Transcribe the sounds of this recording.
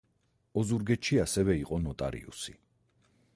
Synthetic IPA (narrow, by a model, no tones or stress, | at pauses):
ɔzuɾɡɛʃiasɛvɛiqʼɔnɔt̪ʼa̰ɾḭṵsi